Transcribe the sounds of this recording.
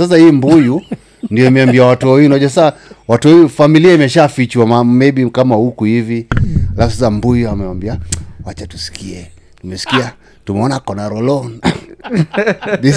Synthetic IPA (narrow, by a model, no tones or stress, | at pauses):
sas̬ahiːmbuju | ndiɔimɛwambiawatuɔujunaʄasaawatuɔjufamiliaimɛʃafit͡ʃuamamɛɓikamahukuhivialafusasambujuamɛwambiawat͡ʃatu̥si̥kʰiɛ | tumɛsi̥kia | tumɛɔnakɔnaɾɔlɔn | di